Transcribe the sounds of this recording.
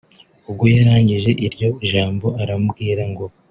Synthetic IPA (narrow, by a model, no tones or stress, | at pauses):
ub̚ɡo̞jaɾaːɲɟiʒe̞ʔiɾɟo̞ʒaːmbo̞aɾambɡiːɾaŋɡo̞